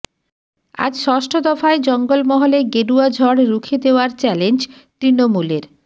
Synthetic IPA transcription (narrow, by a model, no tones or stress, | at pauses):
a̰d͡ʑʃɔʃʈʰod̪ɔfaed͡ʑɔŋɡolmɔɦoleɡeɖuad͡ʑʱɔɽɾukʰed̪eoaɾt͡ɕɛlend͡ʑ | t̪ɾinomuleɾ